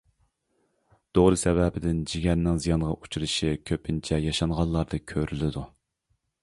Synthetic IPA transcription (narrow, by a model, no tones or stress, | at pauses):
d̪̥oʁɾɨsɛvɛbɪd̪ɪnd͡ʒiɡʲɛɾnɪŋzijɑnʁɑʔut͡ʃʰuɾɨʃikʲʰøpʰɪnt͡ʃʰɛjɑʃɑŋʁɑnˠlˠɑɾd̪ɨkʲʰøɾylɪd̪u